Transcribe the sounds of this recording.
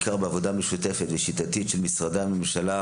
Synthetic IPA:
kaʁbeavo̞dameʃut̪e̞fet̪veʃit̪at̪itʃelmisʁad̪ehame̞mʃala

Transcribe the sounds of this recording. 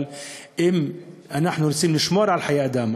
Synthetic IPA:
lʔɪmʔnaħnuɾɪsiːmnɪʃmɑːɾˤʕalħajaːʔd̪aːma

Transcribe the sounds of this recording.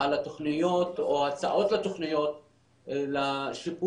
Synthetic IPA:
alat̪o̞χnijo̞t̪oat͡sa̰ʔo̞t̪lat̪oχnijo̞t̪̚ | laʃipu

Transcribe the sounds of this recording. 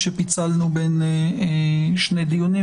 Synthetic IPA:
ʃepit͡salnuben | ʃne̞d̪ijoni

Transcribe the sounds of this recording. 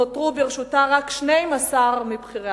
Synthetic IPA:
otʁubeʁeʃutaʁakʃnejmasaʁmibχiʁa

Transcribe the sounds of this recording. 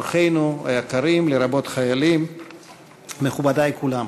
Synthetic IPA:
χe̞jnua̰jekaɾimleɾabo̞t̪χajalim | me̞χubadaekulam

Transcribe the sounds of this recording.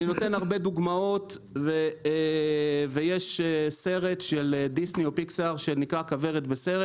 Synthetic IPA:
ino̞t̪e̞naʁbe̞d̪uɡmao̞t̪ | ve | vejeʃese̞ʁe̞t̪ʃeld̪isnio̞piksaʁʃenikʁakave̞ʁet̪bese̞ʁet

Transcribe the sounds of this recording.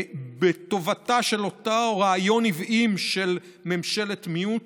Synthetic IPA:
beto̞vataʃe̞lo̞taoʁaːjo̞nivʔimʃe̞l | memʃe̞letmiut

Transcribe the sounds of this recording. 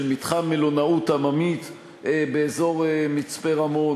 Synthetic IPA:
lmit̪χanmelonautamamit̪ | beezo̞ʁmit͡speʁamo̞n

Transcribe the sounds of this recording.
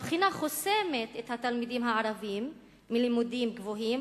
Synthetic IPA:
pχinaχose̞me̞t̪ethat̪almidimɦaaʁavimː | ilimudimɡvo̞ɦim

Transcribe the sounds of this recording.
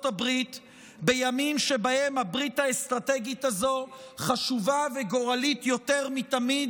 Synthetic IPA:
tabʁit̪ | be̞jamimʃe̞bahe̞mhabʁit̪haest̪ʁateɡitazo̞χaʃuvaveɡo̞ʁalit̪jo̞t̪e̞ʁmit̪amid̪

